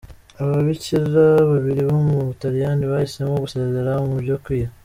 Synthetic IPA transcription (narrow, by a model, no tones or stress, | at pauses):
aβaβiciɾaβaβiɾiβomuβutaɾijaniβahise̞moɡusezeɾamubɟokwija